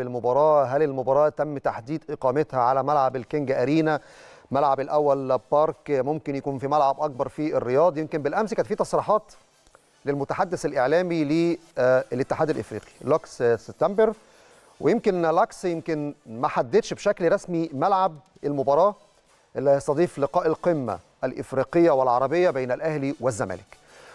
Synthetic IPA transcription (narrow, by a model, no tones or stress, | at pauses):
elmobɑɾˤɑːɦælelmobɑɾˤɑːt̪æmːt̪aħd̪iːd̪ʔeqɑːmet̪hæʕalæmælʕablkeŋɡæʔæɾiːnæ | mælʕabelʔæwːælbɑɾˤkmomkenjkuːnfimælʕabʔɑk̚bɑɾˤfierːejɑːd̪ˤjemkembelʔæmsekæt̪fiːt̪ɑsˤɾiːħɑːt̪ | lelmʊt̪aħad̪ːeselʔeʕlæːmile | let̪ːeħaːd̪ælʔḛfɾḭːqi̥lɑksseb̚t̪ːæmbeɾ | wejemkenlɑksjemkenmæħad̪ːet̪ʃbʃæklɾˤɑsmimælʕab̚ | elmobɑɾˤɑː | ʔelːæhesˤt̪ɑd̪ˤiːflɪqɑːʔelqemːæ̰ | ʔælʔḛfɾiːqejːæwelʕɑɾˤɑbejːæbeːnælʔæhliwɪzːæmæ̰ːlek